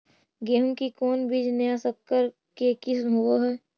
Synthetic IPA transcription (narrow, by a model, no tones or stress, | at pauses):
ɡeːɦũŋkikɔːnbid͡ʒnejasəkːəɾ | kekɪsɦuoɦɛː